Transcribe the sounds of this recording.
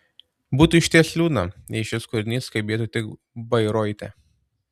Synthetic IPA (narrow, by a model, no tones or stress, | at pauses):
buːt̪uɪʃʲt̪ʲiɛsʲlʲuːnɐnʲɛɪʃʲɪskʊɾʲnʲiːskɐɪbʲeːt̪uːt̪ʲɪk | bɐɪɾɔːɪt̪ʲɛ̰